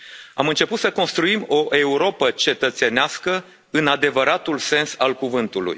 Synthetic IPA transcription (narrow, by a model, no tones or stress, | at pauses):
a̰mɨnt͡ʃe̞put̪səko̞nst̪ɾuimo̞ʔe̞uɾo̞pət͡ʃe̞t̪ət̪se̞neaskə | ɨnad̪e̞vəɾat̪ulse̞nsalkuvɨnt̪ulṵj